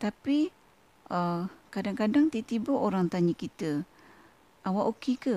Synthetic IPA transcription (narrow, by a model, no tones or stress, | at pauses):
t̪api | əkadaŋkadaŋt̪it̪ibʊʔoɾaŋt̪aɲikit̪ə | awaʔokikə